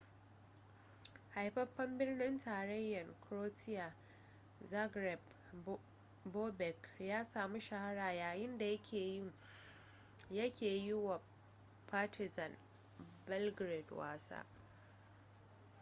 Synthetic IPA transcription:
ha˨jɸɐ˦ɸːɐ˦mbɪ˦rnɪ˦ntaː˨ɾɐ˦jːɐ˨ŋkɾoː˦tɪ˦ja˨ | za˦ɡɾɛ˨b | boː˦bɛ˨kjaː˦saː˨mi˦ʃa˨ha˦ɽaː˨jaː˨jɪ˦nda˨jɐ˦kʲʰeː˨jɪ˦ŋ | jɐ˦kʲʰeː˨jʊ˦wa˨ | paː˦tɪ˨zɐ˨n | bɛ˦lɡɾe˨dwa̰ː˦sa̰ː˦

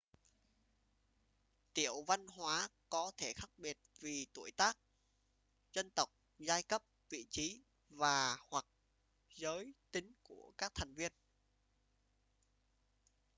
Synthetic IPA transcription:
t̪i˧˩əwva˧nɦwaː˨˦kɔ˨˦t̪ʰe˧˩xaː˦˥k̚ɓi˨˩ət̚vi˨˩t̪u˧˩əjt̪aː˦˥k̚ | zə˧nt̪ə˨˩wk͡p̚zaː˧jkə˦˥p̚vḭ˧˨t͡ɕi˨˦ | vaː˨˩hwa˨˩k̚ | zəː˨˦jt̪ï˨˦ŋku˧˩əkaː˦˥k̚t̪ʰa˨˩jŋ̟vi˧ən

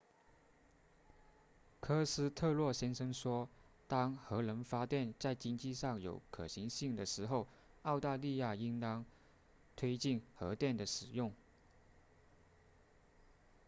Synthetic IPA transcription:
kʰɤ˥sɹ̩˥t̪ʰɤ˥˧lwɔ˥˩ɕjɛ˥nʂɤ˥ŋʂwɔ˥t̪ɑ˥ŋxɤ˧˥lə˧˥nfa˥t̪jɛ˥˧nt͡sa˥˩ɪt͡ɕi˥nt͡ɕi˥˧ʂɑ˥˩ŋjo̰˧˥ʊkʰɤ˨˩ɕi˧˥ŋɕi˥˩ŋd̪ə˩ʂɻ̩˧˥xo˥˧ʊ | ɑ˥˧ʊt̪a˥˧li˥˧ja˥˩i˥nt̪ɑ˥ŋ | t̪ʰwe˥ɪt͡ɕi˥˩nxɤ˧˥t̪jɛ˥˩nd̪ə˩ʂɻ̩˨˩jʊ˥˩ŋ

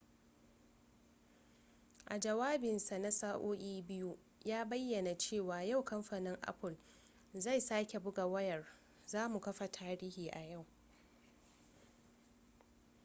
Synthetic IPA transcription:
ʔa˨d͡ʒɐ˨waː˦bɪ˨nsa˨na˦saː˦ʔoː˦ʔʲiː˦bɪ˦ju˦ʔ | jaː˦bɐ˦jːɐ˨na˨t͡ʃeː˦˨waː˨ja˦˨wkɐ˦mɸaː˨nɪ˦ŋʔa̰˦ɸʊ˨l | za˦˨jsaː˦kʲe˨bʊ˦ɡa˨wɐ˦jɐ˨r | zaː˦mu˨kɐ˦ɸa˨tʰaː˦ɾiː˦hiː˨ʔa˨ja˦˨w

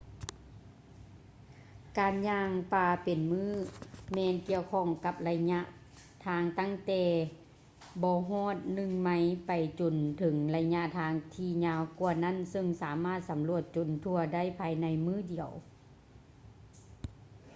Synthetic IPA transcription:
kaː˨nɲaː˧ŋpaː˧˩pe˨nmɯː˧˥˩mɛː˧nki˧əwkʰɔ˧˥˩ŋka˧p̚la˧ɲa˧˥ʔ | t̪ʰaː˧˥ŋt̪a˧˥˨ŋt̪ɛː˧ | bɔː˧˦ɦɔː˧˥˨t̪̚nɯ˧˨ŋma˧˥˨jpa˨˩jt͡ɕo˨˩nt̪ʰɤ˩˦ŋla˧ɲa˧˥ʔt̪ʰaː˧˥ŋt̪ʰiː˧˩ɲaː˧wku˧ɐna˧˥˨nsɤ˧ŋsaː˨˦maː˧˥˩t̪̚sa˨˦mlu˧˩ət̪̚t͡ɕo˨˩nt̪ʰu˧ɐda˥˨jpʰaː˧jna˧˥jmɯː˥˨di˨˩əw

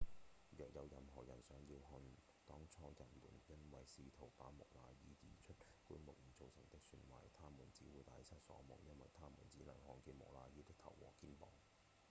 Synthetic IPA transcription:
jœː˨k̚jɐ˨˧wjɐ˨mɦɔː˨˩jɐ˨˩nsœː˨˧ŋjiː˧wɦɵ˧n | t̪ɔː˥ŋt͡sʰɔː˥jɐ˨˩nmuː˨˩njɐ˥nwɐ˨jsiː˧t̪ʰo˨˩wpaː˨˥mʊ̰˨˩k̚laː˧jiː˨˥t͡siː˨˩t͡ʃʰɵ˥t̚kuː˥nmʊ˨k̚mi˨˩t͡so˨˧wsɐ˨˩ŋ˩t̪ɪ˥k̚sy˧nwa̰ː˨˩jt̪ʰaː˥muː˨˩nt͡siː˨˥wuː˨˧jt̪aː˨˧jsɐ˥t̚sɔ̰ː˨˥mʊ̰˨ŋjɐ˥nwɐ˨jt̪ʰaː˥muː˨˩nt͡siː˨˥nɐ˨˩ŋhɔː˨˧ŋki˧mʊ̰˨˩laː˧jiː˨˥t̪ɪ˥k̚t̪ʰɐ˨˩wwɔ̰ː˨˩kiː˥npɔː˨˩ŋ

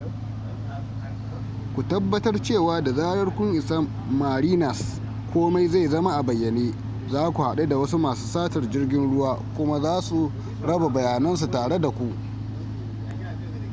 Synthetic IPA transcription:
kʷu˨tɐ˦bːɐ˦tɐ˦rt͡ʃeː˦˨waː˦da˨zaː˦ɽɐ˦rkʷʊ˦ŋʔɪ˨sa˦mː | a˨ɾiː˦nɐ˨s | kʷoː˦ma˦jza˦˨jzɐ˦ma˦ʔa˨bɐ˨jːɐ˨neː˦ | zaː˦kʷu˨ha˨ɗe˦da˨wɐ˦su˦maː˨su̥ː˦saː˦tɐ˨rd͡ʒɪ˦rɡʲɪ˦nɽʊ˦waː˦kʷʊ˦ma˦zaː˦su˨ | ɽɐ˦ba˨bɐ˨jaː˨nɐ˦nsu˨taː˨ɽe˦da˨kʷu˨ʔ

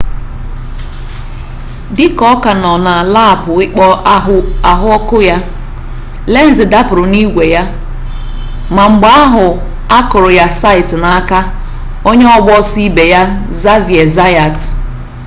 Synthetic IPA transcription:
dɪ˦kɔ˦ka˨nɔ˨na˨la˦˨pʊ˨ɪ˦k͡pɔ˦a˨ɦʊ˦ɔ˦kʊ˦ja˦ | le˦n̩˦zɪ˨da˦pʊ˨ɾʊ˨ni˦ɡʷe˨ja˦ | ma˨ŋ͡m̩˨ɡ͡ba˦ɦʊ˨ | a˦kʊ˨ɾʊ˨ja˦sa˦ɪ˨tna˨˦ka˦ | o˦ɲe˦ɔ˦ɡ͡bɔ˦si˦be˨ja˦ | za˦vi˨e˨za˦ja˨t

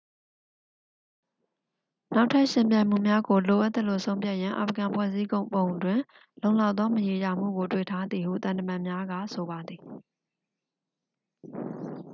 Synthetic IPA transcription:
na˦ʊtʰːa˦ʔʃɪ̃˨mpjã˨ɪ̃m̥ṵ˦˨mja˦ɡo˨lo˨ʔa˦t̪ːə˦lːo̰˦˨sʰõ˦ʊ̃pja˦ʔjã˦ʔa̰˨fəɡã˨mpʰwɛ̰˦˨zi˦ɡõ˨ʊ̃mpbõ˨ʊ̃ndwɪ̃˨ | lõ˨ʊ̃la˦ʊt̪ðɔ˦məje˨ja˨m̥ṵ˦˨ɡo˨twḛ˦˨tʰa˦d̪ði˨hṵ˦˨t̪ã˨ntə˨mã˨mja˦ɡa̰˦˨sʰo˨ba˨d̪ði˨

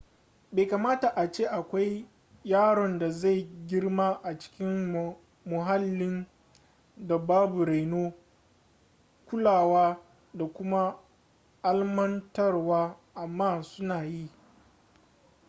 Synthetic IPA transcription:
beː˨jkaː˨maː˦ta˨ʔa˨t͡ʃeː˦ʔa˨kʷa˦j | jaː˦ɽɔ˨nda˨za˦˨jɡʲɪ˦ɽmaː˦ʔa˨t͡ʃɪ̥˦kʲɪ˦m | mʊ˨ɦa˦lːɪ˦n | da˨baː˦bu˨ɾa˨jnoː˦ | kʷʊ˦laː˨waː˦ | da˨kʷʊ˦ma˦ | ʔa˦lmɐ˦ntɐ˦rwaː˦ʔa˨mːaː˦˨sʊ˦naː˨ji˦˨

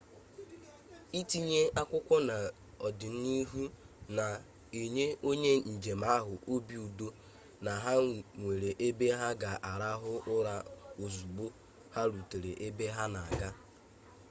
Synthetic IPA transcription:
i˦ti˦ɲe˦a˦kʷʊ˦kʷɔ˦na˨ | ɔ˨dɪ˨n̩˦ni˦ɦu˦na˨ | e˨ɲe˦o˦ɲe˦n̩˨d͡ʒe˨ma˦ɦʊ˨ʔo˦bi˦u˨do˦ | na˨ɦa˦ŋʷe˨ɾe˨ʔe˦be˦ɦa˦ɡa˨ʔa˨ɾa˦ɦʊ˦ʊ˦ɾa˨o˨zu˨ɡ͡bo˦ | ha˦ɾu˨te˨ɾe˨ʔe˦be˦ɦa˦na˨a˨ɡa˦

